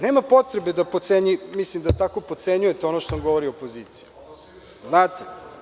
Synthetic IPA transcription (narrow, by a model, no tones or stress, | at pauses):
neːmapo̞t̪ɾebe̞d̪apot̪seɲimislimd̪at̪ako̞pot̪seɲujet̪eo̞noʃt̪osamɡo̞ʋoɾiopoziːt̪siju | znaːt̪e